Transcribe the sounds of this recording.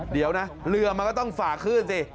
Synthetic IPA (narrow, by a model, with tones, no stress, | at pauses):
di˨˩˦əwna˦˥lɯ˧ɐma˧kɔː˥˩t̪ɔ˥˩ŋfaː˨˩kʰɯː˥˩nsi˧˩